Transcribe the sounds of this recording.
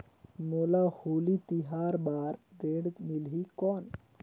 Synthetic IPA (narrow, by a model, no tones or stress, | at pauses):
molahulit̪iɦaːɾbaːɾɾeɽmilɦikɔːn